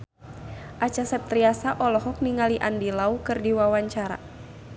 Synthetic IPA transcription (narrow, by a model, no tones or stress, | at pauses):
ʔat͡ʃasɛp̚t̪ɾiasaʔɔlɔɦɔk̚niŋaliʔa̰ndilaukɨrdiwawaɲt͡ʃaɾa̰